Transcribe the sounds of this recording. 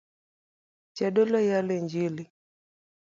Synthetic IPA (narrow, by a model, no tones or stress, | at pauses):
t͡ʃɛɗɔlɔjalɛɲd͡ʒili